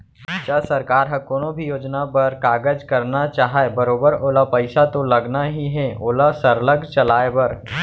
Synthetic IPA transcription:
t͡ʃasɐɾkaːɾɦɐkoːnõbʱijoːd͡ʒnapɐɾkaːɡəd͡ʒkɐɾnat͡ʃaːɦaebɐɾoːbəɾoːlapɐɪsat̪olɐɡnaɦiɦɛoːlasɐɾləɡt͡ʃɐlaːebɐɾ

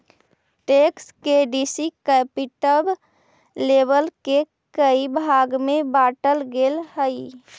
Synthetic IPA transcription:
ʈekskeɖisikəpiʈəb | lebəlke | kəibʱaɡmebaʈəlɡelɦəj

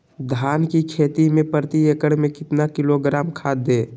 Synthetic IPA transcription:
d̪ʱaːnkikʰeːt̪imẽpəɾt̪iekəɽ̃mẽkɪt̪nakɪloɡɾaːmkʰaːd̪eː

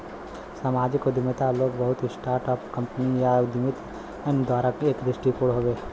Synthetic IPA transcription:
sɐmaːd͡ʒɪkod̪ɪmət̪aloːɡbɐɦʊt̪ɦisʈaːɾʈɔːpkɐ̃mpənijad̪ɪmɪt̪ | ənd̪ɔːɾəkeːkd̪ɾɪʃʈikoɽɦoːʋeː

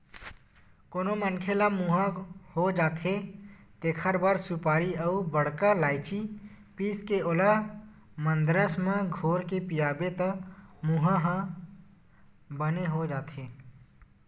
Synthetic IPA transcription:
koːnomənkʰelamuɦãhod͡ʒaːt̪ʰe | t̪eːkʰəɾbaɾsupaːɾiəubəɽ̤kalaːɪt͡ʃi | piːskeola | mənd̪ɾəsmẽɡʱoːɾkepijaːbet̪əmuɦãɦə̃ | bəneɦod͡ʒaːt̪ʰe

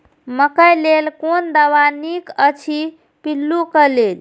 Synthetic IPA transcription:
məkəjlelkond̪əβanikət͡ʃʰi | pilːukəled͡ʒ

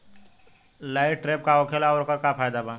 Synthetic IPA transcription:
laɪʈ̚ːɾeːp̚kaoːkʰeːlaɔːɾokəɾkapʰaːjd̪abã

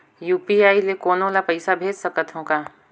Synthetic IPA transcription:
juːpiaːilekoːnõlapɐɪsabʱeːd͡ʒsəkət̪ɦõːkaː

